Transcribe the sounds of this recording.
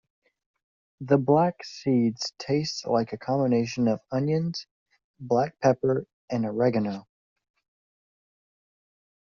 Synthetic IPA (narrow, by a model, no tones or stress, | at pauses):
ðəblæksidz̥tʰeɪstlaɪkɨkʰɑ̃mbəneɪʃɨ̃nʌvʌ̃njɨ̃nz̥ | blæk̚pʰɛpə˞ | ɨ̃nə˞ɛɡɨnoʊ